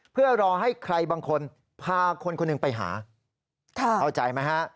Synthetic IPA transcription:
pʰɯ˥˩ɐɾɔː˧ɦa˥˩jkʰɾa˧jbaː˧ŋkʰo˧n | pʰaː˧kʰo˧nkʰo˧nːɯ˨˩ŋpa˧jɦa̰ː˩˦ | kʰa˥˩a˧wt͡ɕa˨˩jma˦˥ka˦˥ʔ

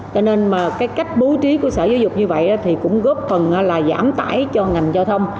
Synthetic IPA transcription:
t͡ɕɔ˧ne˧nmaː˨˩kaː˨˦jka˦˥jk̟̚ɓo˨˦t͡ɕi˨˦ku˧˩əsəː˧˩zo˨˦zʊ˨˩k͡p̚ɲɨ˧və̰˧˨jɗɔ˨˦t̪ʰi˨˩kʊ̰˧˥ŋ͡mɣɔ˦˥p̚fə˨˩nʔaː˨˦laː˨˩za̰ː˧˩mt̪a̰ː˧˩jt͡ɕɔ˧ŋa˨˩jŋ̟zaː˧wt̪ʰə˧wŋ͡m

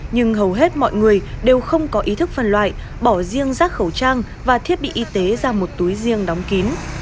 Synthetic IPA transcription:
ɲɨ˧ŋɦə˨˩wɦe˦˥t̚mɔ̰˧˨jŋɨ˨˩əjɗe˨˩wxə˧wŋ͡mkɔ˨˦ʔi˨˦t̪ʰɨ˦˥k̚fə˨˩nlwa̰ː˧˨j | ɓɔ˧˩zi˧əŋzaː˦˥k̚xə˧˩wt͡ɕaː˧ŋ | vaː˨˩t̪ʰi˦˥ət̚ɓḭ˧˨ʔi˨˧˦t̪e˨˦zaː˧mo˨˩t̚t̪u˨˦jzi˧əŋɗa˨˦wŋ͡mki˨˦n

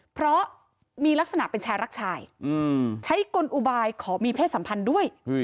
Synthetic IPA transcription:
pʰɾɔ˦˥ | miː˧la˦˥k̚sa˧na̰˨˩ʔpe˧nt͡ɕʰaː˧jɾa˦˥k̚t͡ɕʰaː˧jɯː˧t͡ɕʰa˦˥jko˧nʔu˧baː˧jkʰɔː˩˦miː˧pʰeː˥˩sa˩˦mpʰa˧ndu˥˩əj

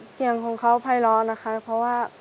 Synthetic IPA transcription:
si˨˩˦əŋkʰɔː˨˦ŋkʰa˦˥wpʰa˧˩jlɔː˧˥na˦˧˥kʰa˦˥pʰɔ˧waː˥˩

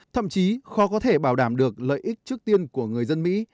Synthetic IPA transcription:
t̪ʰə̰˧˨mt͡ɕi˨˦xɔ˨˦kɔ˨˦t̪ʰe˧˩ɓaː˧˩wɗaː˧˩mɗɨ˨˩ək̚lə̰ː˧˨jʔï˦˥k̚t͡ɕɨ˦˥k̚t̪i˧ənku˧˩əŋɨ˨˩əjzə˧nmḭ˧˥

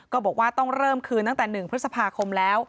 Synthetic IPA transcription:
kɔː˥˩bɔː˨˩k̚waː˥˩t̪ɔ˥˩ŋɾɤː˥˩mkʰɯː˧nt̪a˥˩ŋt̪ɛː˨˩nɯ˨˩ŋpʰɾɯ˦˥sa˧pʰaː˧kʰo˧mlɛː˦˥w

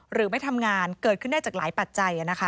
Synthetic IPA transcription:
ɾɯː˩˦ma˥˩jt̪ʰa˧mŋaː˧nkɤː˨˩t̪̚kʰɯ˥˩nda˥˩t͡ɕaː˨˩klaː˩˦jpa˨˩t̪̚t͡ɕa˧jʔa˨˩na˦˥kʰa˦˥

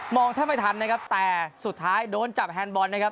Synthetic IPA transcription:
mɔː˧ŋt̪ʰaː˥˩ma˥˩jt̪ʰa˧nːa˦˥kʰa˦˥p̚t̪ɛː˨˩su˨˩t̪ʰːaː˦˥jdoː˧nt͡ɕa˨˩p̚ɦɛː˧nbɔː˧nːa˦˥kʰa˦˥

